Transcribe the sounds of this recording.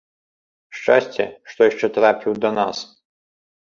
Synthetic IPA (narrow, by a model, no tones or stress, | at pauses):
ʂt͡ʂasʲt͡sʲɛ̰ʂt̪ɔjaʂt͡ʂɛt̪ɾapʲiwd̪ɐnas